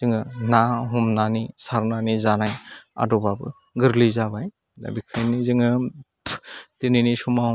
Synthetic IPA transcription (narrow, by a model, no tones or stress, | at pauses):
z̥ɯŋɯnaɦumnanisaɾnanizanaja̰dɔbabɯ | ɡɯɾlizabaj | a̰bikʰɯjnizɯŋɯ | teninisuma